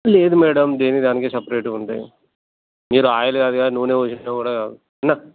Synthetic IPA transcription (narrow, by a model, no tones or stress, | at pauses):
leːd̪umɛːɽɐmd̪eːnid̪aːnikeːsɐpɐɾeːʈuuɳʈa̰ːj | miːɾuaːjɐlɐɡaːd̪iɡaːnuʋːuneːot͡ʃinekuːɽaːkaːd̪u | ɐnːa